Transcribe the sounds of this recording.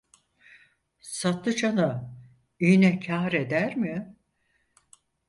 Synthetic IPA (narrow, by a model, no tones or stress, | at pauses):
sat̪ːɯt͡ʃʰanɯ | yjnɛcʰaːɾe̞d̪æɾmɪ